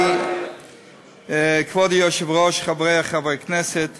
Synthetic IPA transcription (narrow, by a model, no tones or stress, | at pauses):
kvɔdɪjɔʃɪvʁɔʃχabɾɛaχavɔknɛsət